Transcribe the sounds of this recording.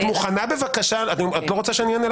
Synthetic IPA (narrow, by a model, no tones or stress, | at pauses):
tmuχanabe̞vakaʃaatniat̪lo̞ʁo̞t͡saʃeanjɛnel